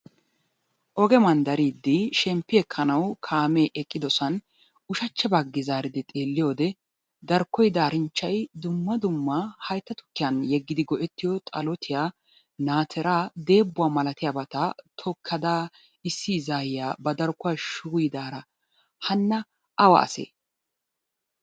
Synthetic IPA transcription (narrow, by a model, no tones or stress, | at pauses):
ʔɔɡɛmɐnd̪ɐɾiːd̪ːɪʃɛmpːɪɛkʰːɐnɐwkʰaːmeːʔɛkʼːɪd̪ɔsɐn | ʊʃɐt͡ʃːɛbɐɡːɪzaːɾɪd̪ɪt̪ʼe̞ːlːɪjo̞ːd̪ɛ | d̪ɐɾkːɔjd̪aːɾɪnt͡ʃːɐjd̪ʊmːɐd̪ʊmːahɐjt̪ːɐt̪ʊ̥kːɪjɐnjɛɡːɪd̪ɪɡɔʔɛt̪ːɪjɔt̪ʼɐlɔt̪ʰɪjaː | naːt̪ʰɛɾaːd̪e̞ːbːʊaːmɐlɐt̪ɪjaːbɐt̪at̪ʰɔkʰːɐd̪aː | ɪsːiːzaːjɪjaːbɐd̪ɐɾkːʊwaːʃʊɡʊjd̪aːɾɐ | hɐnːɐ | ʔɐwɐ̰ɐ̰sḛː